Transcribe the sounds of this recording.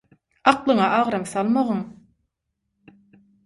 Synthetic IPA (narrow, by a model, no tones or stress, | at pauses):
ɑqlˠɯɴɑʔɑʁɾɑmθɑlˠmɑʁɯm